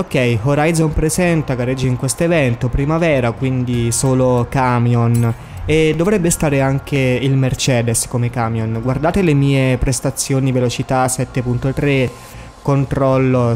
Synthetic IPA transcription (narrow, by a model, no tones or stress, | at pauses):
okːɛjɦoɾajzonpɾezɛnt̪aɡared͡ʒːiŋkwest̪oevɛnt̪opɾimavɛːɾakwind̪isoːlokamjon | ed̪ːovɾɛbːest̪aːɾeaŋk̟eilmert͡ʃɛːd̪eskomekaːmjonɡward̪aːt̪elemiːepɾest̪at̪sːjoːnivelot͡ʃit̪asɛt̪ːepunt̪ot̪ɾe | kont̪ɾɔlːo